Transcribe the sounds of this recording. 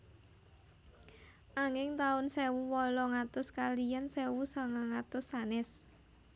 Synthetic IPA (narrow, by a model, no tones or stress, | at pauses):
ʔaŋɪŋt̪aʊnsɛwuwɔlɔŋat̪ʊskalijansɛwusaŋaŋat̪ʊsːanɪs